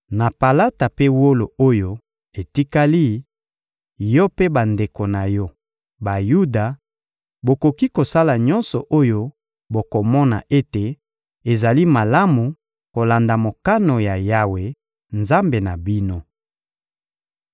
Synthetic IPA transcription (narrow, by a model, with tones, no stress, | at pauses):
na˨pa˨la˦ta˨pe˦wo˦lo˨o˦jo˦ | e˨ti˦ka˦li˦ | jɔ˦pe˦ba˨nde˨ko˨na˨jɔ˦ | ba˨ju˦da˨ | bo˨ko˨ki˦ko˨sa˦la˨ɲɔ˦nsɔ˨ʔo˦jo˦ | bo˨ko˨mɔ˦na̰˨ʔe˦te˨ | e˨za˨li˦ma˨la˦mu˨ | ko˨la˨nda˨mo˨ka˦no˨ja˨ja˦we˨ | nza˦mbe˨na˨bi˦no˦